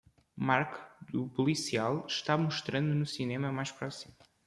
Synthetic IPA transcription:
maɾkd̪upulˠisialˠʃt̪amuʃt̪ɾɐ̃nd̪unusinemɐmajʃpɾɔsimu

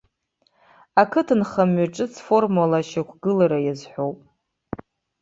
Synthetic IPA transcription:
akʰɨtʰɨnχamːɥaʈ͡ʂʼɨt͡sʰfo̞rmalaʃakʷʰɡɨlaɾajazħʷowpʼ

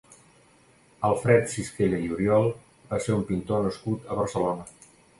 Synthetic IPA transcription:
əlˠfɾɛt̪siskeʎəiuɾiɔlˠ | baseumpint̪onəskut̪əβəɾsəlonə

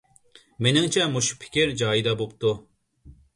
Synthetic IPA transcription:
menɪŋt͡ʃʰɛmoʃu̥pʰɪ̥kʲiɾd͡ʒɑːjid̪ɑbop̚t̪ʰu

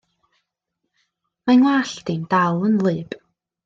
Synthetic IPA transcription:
manwaɬtindalˠənlˠɨːb̥

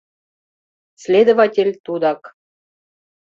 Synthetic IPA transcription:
sʲlʲed̪ovɑtʲelʲt̪ud̪ɑk

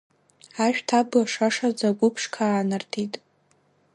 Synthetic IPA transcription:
aʃᶣtʰablaʂaʂad͡zaɡʷʊpʰʂkʰaːnartʰitʼ

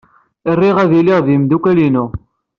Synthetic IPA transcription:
irˤːiʁæðiliʁðimd̪ukælinu

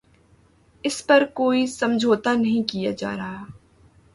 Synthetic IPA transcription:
ɪspɐɾkoːisɐ̃md͡ʒʱoːt̪anɐɦĩkijad͡ʒa̰ːɾaɦaː

